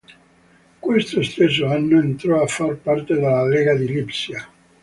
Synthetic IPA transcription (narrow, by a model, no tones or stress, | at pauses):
kwest̪ost̪es̬ːoanːoent̪ɾɔafːarpart̪ed̪alːaleɡad̪ilipsja